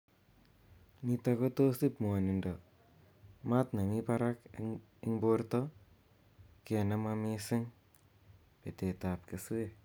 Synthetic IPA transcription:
mi˨˧t̪a˧ko˦t̪o˦si˦pmo˨ni˨ndo˨ | ma˦t̪na˨mi˦pa˦ɾa˦k | i˦ŋbo˦ɾt̪o˦ | ke˨na˦ma˧mi˦si˦ŋ | pe˨t̪e˨t̪a˨p̚ke˨su˦we˦

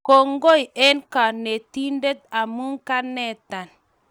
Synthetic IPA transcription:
ko˨ŋɡo˦je˦nka˨ne˨ti˦nde˦t̪̚a˨mu˦ŋka˦nɛ˦˨ta˨n

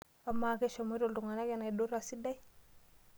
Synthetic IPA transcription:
a˨ma˦˨ke˦ʃa˨mo˦ɾo˦˨ldu˨ŋa˨na˦ke˦˨na˨i˨do˦ɾa˨si˦da˦i˦

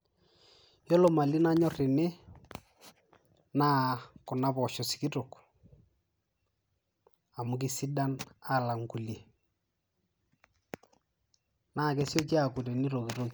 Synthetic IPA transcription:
jɔ˦lo˨ma˨li˦na˦ɲɔ˦rɪ˨nɪ˦ | naː˦kʊ˨na˦pɔ˨ʃɔ˨si̥˨ki˦to˨k | a˨mʊ˨˦k̬i˦si˦da˦na˦˨la˨ŋku˨lje˨ | na˦˨kɛ˦sjo˦ki˦a˨kʊ˨te˨ni˦ɾo˨ki˨ɾo˦k

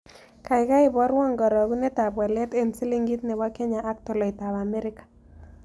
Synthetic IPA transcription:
ka˨ɪ˨ka˦ɪ˨bɔ˦ɾwɔ˦˨ŋɡɔ˨ɾɔ˨ɣu˦nɛ˦ta˨bwɛ˨lɛ˦te˦˨nsi˦li˦ŋɡi˦t̪nɛ˨wa˦kɛ˦ɲa˨ʔːk̚tɔ˨lɔ˨ɪ˨ta˨βa˨mɛ˦ɾɪ˦kḁ˨

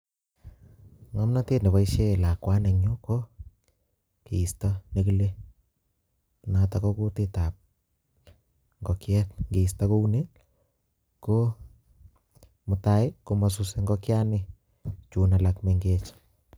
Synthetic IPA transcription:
ŋa˦mna˦te˦tne˨βa˨iʃe˦la˨kwa˦ne˨ɲo˦ko˦ | ke˨i˨stɔ˦nekile | nata˨kɔ˦ko˦tetap̚ | ŋɡɔ˨kjɛtŋɡe˨ista˦ko˦une | ko˦ | mʊ˨ta˦ɪ˦ko˨ma˨s̬useŋɡɔkja˦nɪ | t͡ʃu˨na˨lakmeŋɡet͡ʃ

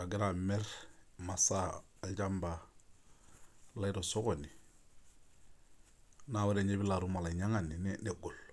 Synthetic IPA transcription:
a˨ɡi˦ɾa˨mɛ˦ɾma˨saː˦˨ | ɟa˦mba˨ | la˦i˦ɾo˨so˦ko˨ni˨ | na˦˨wa˦ɾe˨ɲe˦bi˦la˨ɾu˦ma˨la˨ɲa˦ŋa˨ni˨nne˨ɡo˨l

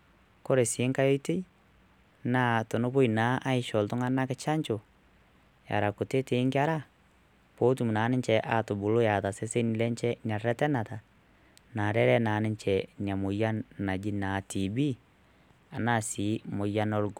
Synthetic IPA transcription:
ko˦ɾe˨si˨e˦ŋka˦jo˦i˦te˦i˦ | na˦to˨no˦bo˦i˨na˨˦ʔa˦i˨ʃɔ˨lto˦ŋa˦na˦ke˦t͡ʃa˦ɲt͡ʃo˨ | ja̰˨ɾa˨ko˨te˦te˨˦ŋɡa˦ɾa˦ | po˦tu˦˨mu˨na˨˦ne˦ɲt͡ʃɛ˨ʔa˨to˨bu˨lo˦ja˨ta˨se˦se˦ni˨lɛ˦ɲt͡ʃɛ˦nia˨ɾɛ˦tɛ˦na˨ta˨ | na˨ɾɛ˦ɾɛ˦na˨ne˦ɲt͡ʃɛ˨nja˨mo˨ja˦na˨d͡ʒi˦na˨ti˨bi˦ | a˨na˦˨si˨˦mo˨ja˦no˦lɡo˨

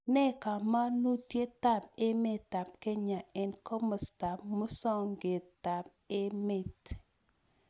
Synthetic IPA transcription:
nɛ˦ka˨ma˦nu˦tje˦ta˦˨p̚ɪ˦me˦tːa˨p̚ke˦ɲa˨ɛ˨nkɔ˦mʊ˨sta˨pmo˦sa˦˨nɡe˨tta˨p̚ | ɪ˦me˦˨t

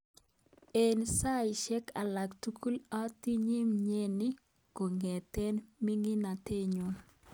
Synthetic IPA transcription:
e˨nsa˦ɪ˨ʃɛ˦ka˨la˨ktu˦kʰu˦lɔ˦ti˦ɲi˦mɲe˦ni˦ | ko˨ŋɛ˨tɛ˦nmi˦ŋi˦na˨te˦ɲo˨

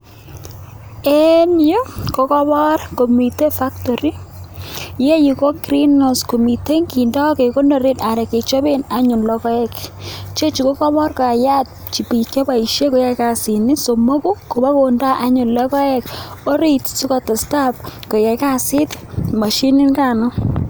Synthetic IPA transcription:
e˦njo˦ko˦kɔ˦bɔ˦rko˨mi˨te˦fa˦kto˨ɾi˦ | je˦ji˨ko˦kɾi˦no˨sko˨mi˨te˦ŋɡi˨ndɔ˦ke˨ko˦no˨ɾe˦da˨ɾɛ˨ke˨t͡ʃo˦be˦na˦ɲʊ˨nlɔ˦kɔ˦ɛ˦kt͡ʃe˦t͡ʃu˨ko˦kɔ˦bɔ˦rka˨ja˦t̚ | t͡ʃi˨pi˨kjɔ˦pa˨i˨ʃe˦ko˨ja˦ka˨si˨ni˦so˨mo˦ku˦ko˨ba˦ko˨nda˦ʔa˦ɲʊ˨nlɔ˦kɔ˦ɛ˦ko˦ɾi˨tsu˦kɔ˨ta˨sta˦p̚ko˨ja˨ka˦sɪ˦t | ma˨ʃi˦ni˦nka˨nɔ˦

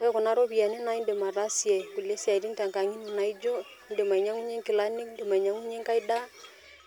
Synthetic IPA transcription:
kɛ˦kɔ˨na˦ɾo˦bi˨a˨ni˦na˦i˦nde˨ma˨ɾa˦sjɛ˨ku˨le˦sa˨i˨ɾi˦ŋta˨ŋka˨ŋi˦nu˨na˨i˦d͡ʒo˦ | nde˨ma˨i˨ɲa˦ŋu˦ɲe˦ŋkɪ˨la˦nɪ˦knde˨ma˨i˨ɲa˦ŋu˦ɲe˦ŋka˦i˦da˦

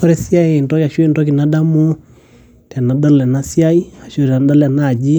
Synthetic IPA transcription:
ɔɾɛ˦si˦a˦ɛ˦˨ntɔ˦ja˨ʃu˦ɛ˦ntɔk̬i˨nada˦mu˦ | ta˨na˨da˦lɛ˨na˦si˦a˦i˦a˨ʃu˦ɛ˨ɾna˨da˦la˨na˨d͡ʒi˦

